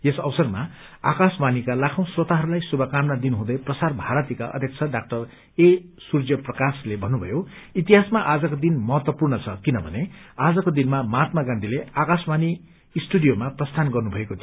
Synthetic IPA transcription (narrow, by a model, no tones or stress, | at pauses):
jesʌwsʌrma̰a̰kasbanikalakʰaw̃swʌt̪aɦʌɾulajsubʱʌkamnad̪inɦũd̪ʌjprʌsarbʱaɾʌt̪ika̰ʔʌ̰d̪ʱjʌk̚t͡sʰʌɖak̚ʈʌr | esurd͡zjʌprʌkaslebʱʌnːubʱʌ̰joit̪iɦasmaʔad͡zʌkod̪inmʌɦʌt̪wʌpurnʌt͡sʰʌkinʌbʱʌ̰nead͡zʌkod̪inmamaːt̪̚maɡãnd̪ʱileakasbaniː | sʈuɖijomaprʌst̪ʰanɡʌrnubʱʌekot̪ʰi